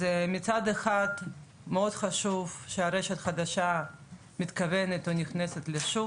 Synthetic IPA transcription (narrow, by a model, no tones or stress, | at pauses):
zɛmit͡sad̪eχad̪ | meod̪χaʃuvʃeaɾeʃet̪χad̪aʃa | mit̪kavenet̪onʲiχneset̪leʃu